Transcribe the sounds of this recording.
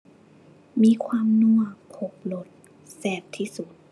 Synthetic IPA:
miː˧kʰwaː˧mnu˧˩ək̚pʰo˨˩p̚lo˧˩t̪̚ | sɛː˧˩p̚t̪ʰːiː˧˥˩su˨˩t̪̚

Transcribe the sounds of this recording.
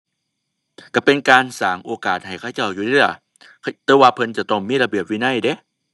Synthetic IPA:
ka˧˩pe˧nkaː˧nsaː˨˦ŋʔoː˧kaː˨˩t̪̚ha˨˩jkʰa˧˩wt͡ɕa˧˩wjuː˧˩li˧˩˧ | t̪ɛː˧waː˧pʰɤ˧nt͡ɕa˨˧˩t̪ɔ˧˩ŋmiː˧˥˨la˧bi˧˨˩əp̚wiː˧na˧˥˩jde˧˦

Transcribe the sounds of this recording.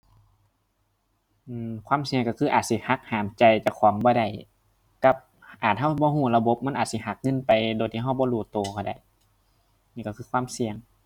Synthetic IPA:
ʔɯː˧˩kʰwaː˧˥˨msi˧əŋkːa˧˩kʰɯː˧ʔaː˨˩t̪̚si˧˩ha˧˦k̚haː˨˦mt͡ɕa˨˧jt͡ɕa˧˩kʰɔː˨˦ŋbɔː˧˦ɾa˧˩j | ka˧˦p̚ | ʔaː˨˩t̪̚ɦa˧˥˩wbɔː˧˦huː˧˩la˧bo˧˦p̚ma˧˥˨nʔːt̪̚si˧˦ɦa˧˦k̚ŋɤ˧˥˨npa˨jdoː˨jt̪ʰiː˧ɦa˧˨wbɔː˧˦luː˧˩t̪oː˨˧˩kʰa˧˩da̰˨˧˩j | niː˧˨ka˧˩kʰɯː˧kʰwaː˧˥˨msi˧əŋ

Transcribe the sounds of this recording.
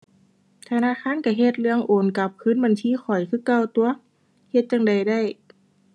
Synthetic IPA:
t̪ʰa˧naː˧˥˨xʰaː˧˥˨nka˧˩ɦe˧t̪̚lɯ˧əŋʔoː˨˩nka˧˦p̚kʰɯː˧˥˨nba˧˨nt̪ʰiː˧˥˨xʰɔ˨˩jkʰɯː˧˥˨ka˧˩˨wt̪u˧ɐ | he˧t̪̚t͡ɕa˧˨ŋda˨˩jda˧˥˨j

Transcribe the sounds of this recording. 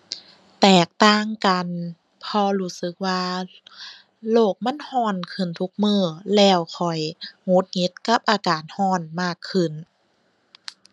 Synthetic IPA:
t̪ɛː˨˩k̚t̪aː˧˥˨ŋka˨n | pʰɔː˧luː˧˥sɯ˧˦k̚waː˧ | loː˧˩k̚ma˧˥˨nhɔː˧˩˨nkʰɯ˧˩nt̪ʰu˧˦k̚mɯː˧˩lɛː˧˩wkʰɔ˨˩jŋo˧˦˥t̪̚ŋi˧˦˥t̪̚ka˧˥p̚ʔaː˨˧kaː˨˩nhɔː˧˩˨nmaː˧˥˩kʰːɯ˧˩n

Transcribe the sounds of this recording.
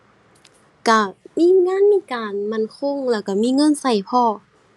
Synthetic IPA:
ka˧˩miː˧˥˨ŋaː˧˥˨nmiː˧˥˨kaː˨˩nma˧˥˨nkʰo˧˥˨ŋlɛː˧˩wka˧˩miː˧˥˨ŋɤ˧˥˨nsa˧˩jpʰɔː˧˨

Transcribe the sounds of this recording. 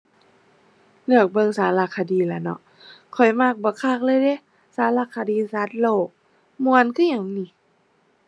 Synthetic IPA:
lɯ˧˩ək̚bɤ˧˨ŋsaː˨˦la˧˩kʰːa˧˩diː˨˧˦la˨˧˦nɔ˧˦ʔ | kʰɔ˨˩jmaː˧˩k̚bɔː˧˩˦kʰaː˧˩k̚lɤː˧˨jde˧˦ | saː˨˦la˧˩kʰːa˧diː˧˨sa˧˦t̪̚loː˧˩k̚ | mu˧ə˨nkʰɯː˧˨ɲa˨˩ŋni˧˦

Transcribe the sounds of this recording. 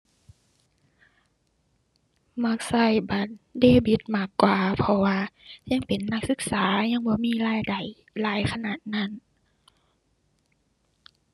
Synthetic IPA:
ma˧˥˩k̚sa˧˩jba˨˦t̪̚deː˧˩bi˧˦t̪̚maː˧˩kːwaː˨pʰɔ˧waː˧ɲa˧˥˨ŋpe˨˩nːa˧˥k̚sɯ˧˦k̚saː˨˦ɲa˧˨ŋbɔː˧˦miː˧˥˨laː˧˥˨jda˨˩j | laː˨˧˦jkʰa˧naː˨˩t̪̚na˧˥˨n

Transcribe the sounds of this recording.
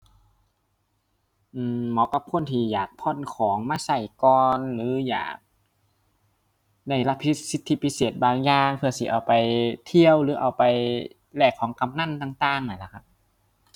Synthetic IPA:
ʔɯː˧mɔː˧˥˦ka˧˥p̚kʰo˧˥˨nt̪ʰiː˧˩jaː˨˩k̚pʰɔ˧˥˨nkʰɔː˨˩˦ŋmaː˧˨sa˧˩jkɔː˧nlɯː˨˦ja̰ː˨˩k̚ | na˧˩jla˧pʰi˧˦˥si˧˥t̪ʰːi˧˩pʰi˦˧seː˨˩t̪̚baː˧ŋjaː˧ŋpʰɯ˧ɐ˨sḭ˧˩ʔa˨˩wpa˨jt̪ʰi˧əwlɯː˨˦ʔa˨˩wpa˨j | lɛː˧˩kʰːɔː˩˦ŋka˧˨mna˧˥˨nt̪aː˧ŋt̪aː˧ŋnaː˧˩˨la˧˩kʰa˧˩p̚

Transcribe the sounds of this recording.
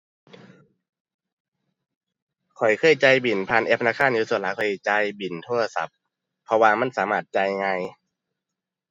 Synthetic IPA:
kʰɔ˨˩jkʰɤː˧˥˨jt͡ɕa˧jbi˨˩npʰaː˧˨nʔeː˧˦˥p̚ʰa˧naː˧˥˩kʰaː˧˥˨njiː˧so˧˩˦t̪̚laː˨˦kʰɔ˨˩˨jt͡ɕa˧jbi˨˩nt̪ʰoː˧˥˩a˧sa̰˧˦p̚ʰː | ɔ˧waː˧ma˧˥˨nsaː˨˦maː˧˩t̪̚t͡ɕa˧jŋa˧j

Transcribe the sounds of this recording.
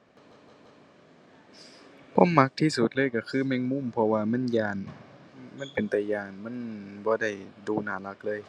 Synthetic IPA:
pʰo̰˧˥˨mːa˧˥k̚t̪ʰiː˧˨su˧˦t̪̚lɤː˧˥˨jka˧˩kʰɯː˧˥˨mɛː˧˥˨ŋmu˧˥˨mpʰɔ˧waː˧ma˧˥˨njaː˧˩n | ma˧˥˨npe˨˩nt̪ɛ˨˩jaː˧˩nma˧˥˨nbɔː˧˦da˧˥˩jduː˧˩naː˨˩˦la˧˥k̚lɤː˧˥˨j

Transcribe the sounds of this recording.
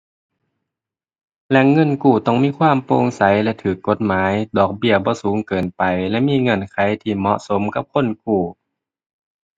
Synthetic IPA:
lɛ˧ŋɤ˧˥˨nkuː˧˩t̪ɔ˧˩ŋmiː˧˥˨kʰwaː˧˥˨mpoː˧˨ŋsa˨˦jlɛ˧˥t̪ʰɯː˨˩kːo˧˦t̪̚maː˨˦jdɔː˨˩k̚bi˧˩əbɔː˧˦suː˨˦ŋkɤː˨˩npa˨jlɛ˧˥ʔmiː˧˥˨ŋɤ˧˥˨nkʰa˨˦jt̪ʰiː˧˩mɔ˧˥ʔso˨˦mka˧˥p̚kʰo˧˥˨nk̚uː˧˩

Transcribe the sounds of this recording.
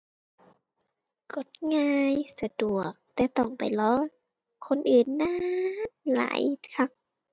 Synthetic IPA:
ko˧˩t̪̚ŋaː˧jsa˧du˨˩ək̚t̪ɛː˧˩t̪ɔ˧˩ŋpa̰˨jlɔː˧˥ | kʰːo˧˥˨nʔɯː˨˩nːaː˧˥la̰ː˨˦jkʰa˧˥k̚

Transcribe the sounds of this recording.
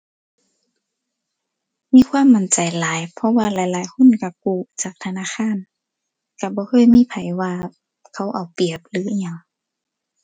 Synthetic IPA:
miː˧˥˨kʰwaː˧˥˨mːa˧˨nt͡ɕa˨˩jlaː˨˦jpʰɔ˧waː˧˩laː˨˦jlaː˨˦jkʰo˧˥˨nka˧˩k̚uː˧˩t͡ɕaː˨˩k̚t̪ʰa˧naː˧˨xʰaː˧˥˨n | ka˧˩bɔː˧˦kʰɤː˧˥˨jmiː˧˥˨pʰa˨˩jwaː˧ | kʰa˧˥˩wʔa˨˩wpi˨˩əp̚lɯː˨˦˧a˧˩ŋ

